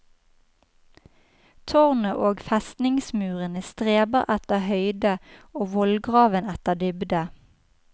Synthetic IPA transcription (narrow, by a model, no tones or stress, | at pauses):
t̪ʰɔʁnəʔoːɡfɛst̪nɪŋsmʉːʁənəst̪ʁeːbəʁɛt̪əhœʏd̪əoːʋɔlɡʁɑːʋənɛt̪əʁd̪ʏbd̪ə